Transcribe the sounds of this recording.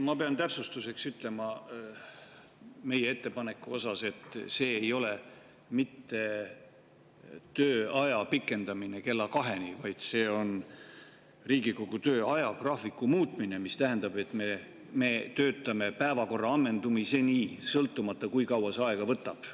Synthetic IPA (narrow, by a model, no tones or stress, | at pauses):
mɑpe̞ɑnt̪æpsust̪use̞ksyt̪ˑle̞mɑ | me̞jee̞t̪ːe̞pɑne̞kːˑuo̞sɑse̞t̪ːse̞ːjo̞le̞ | mit̪ːe̞ | t̪øːɑjɑpikːˑe̞nd̪ɑmine̞ke̞lːɑkɑɦe̞nivɑjd̪̥se̞ːo̞n | riːɡikoɡ̥ut̪ø̞ːɑjɑkrɑːfikːˑumuːt̪ˑmine̞mist̪æɦend̪̥ɑbe̞t̪ːˑme̞ | me̞t̪ø̞ːt̪ːˑɑme̞pæevɑko̞rːɑɑmːe̞nd̪umise̞niːsɤlt̪ːˑumɑt̪ˑːɑkujkɑwɑsɑeɡ̥ɑvɤt̪ːˑɑb̥